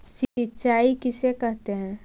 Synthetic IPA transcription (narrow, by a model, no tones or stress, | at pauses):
sɪtːʃaːikɪsekɛɦt̪eɦɛ̃ː